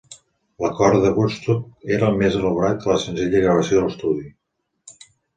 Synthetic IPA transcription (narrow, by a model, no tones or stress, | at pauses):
ləkɔɾd̪əɣust̪up̚eɾəːlˠmezələβuɾat̪̚kələsənziʎəɣɾəβəsijoðələst̪uði